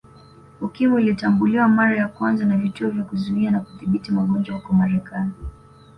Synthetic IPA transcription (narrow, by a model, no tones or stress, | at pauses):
ukimɔilitambuliwamaɾajakwanzanavituɔvjakuzuianakuθiɓitimaɠɔnd͡ʒwahukɔmaɾɛkʰani